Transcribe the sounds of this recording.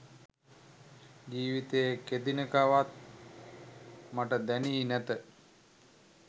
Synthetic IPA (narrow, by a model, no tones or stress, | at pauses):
d͡ʒiːʋit̪əjeked̪inəkaʋat̪̚ | maʈəd̪æniːnæt̪ə